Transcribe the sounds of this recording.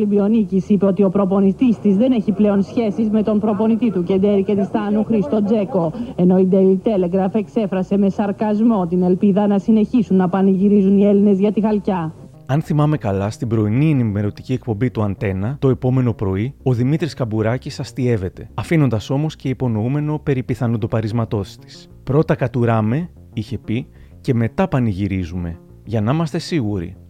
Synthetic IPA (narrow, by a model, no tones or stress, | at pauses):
libio̞nicisipe̞o̞t̪io̞pɾo̞po̞nit̪ist̪izðe̞ne̞çiple̞o̞nsçe̞sizme̞t̪o̞mpɾo̞po̞nit̪it̪uce̞nd̪e̞ɾice̞t̪ist̪ɐnuxɾist̪o̞d͡ze̞ko̞e̞no̞id̪elit̪e̞le̞ɡɾɐfe̞kse̞fɾɐse̞me̞sɐɾkɐzmo̞t̪ine̞lpiðɐnɐsine̞çisunːɐpɐniʝiɾizunie̞line̞zʝɐt̪ixɐlcɐ | ɐnθimɐme̞kɐlɐst̪ibɾo̞inie̞nime̞ɾo̞t̪i̥cie̞kpo̞mbit̪uɐnt̪e̞nɐt̪o̞e̞po̞me̞no̞pɾo̞io̞ðimit̪ɾiskɐbuɾɐcisɐst̪ie̞ve̞t̪e̞ɐfino̞nd̪ɐso̞mo̞sce̞ipo̞no̞ume̞no̞pe̞ɾipiθɐnud̪opɐɾizmɐt̪o̞si̥st̪i̥s | pɾo̞t̪ɐkɐt̪uɾɐme̞ | içe̞pi | ce̞me̞t̪ɐpɐniʝiɾizume̞ | ʝɐnɐimɐst̪e̞siɣuɾḭ